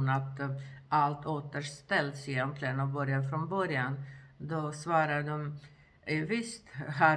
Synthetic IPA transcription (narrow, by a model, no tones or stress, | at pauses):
nat̪ʔalt̪ʰoːt̪əʂt̪ɛld̪sjɛmp̪ʰlɛnɔbœɾjafɾɔnbœɾjand̪ɔsvɑːɾadɔm | ʔɛvɪst̪ɦæ